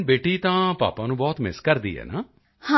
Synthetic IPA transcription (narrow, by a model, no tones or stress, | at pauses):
beːʈiːt̪ãːpa̰ːpãːnũːbɔːt̪mɪskəɾd̪ḭːɦɛ̰ːnaː | hã